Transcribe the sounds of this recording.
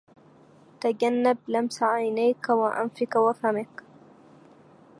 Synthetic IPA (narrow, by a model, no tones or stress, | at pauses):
t̪aɟanːab̚lamsaʕajnajkawaʔa̰nfɪkawafamɪk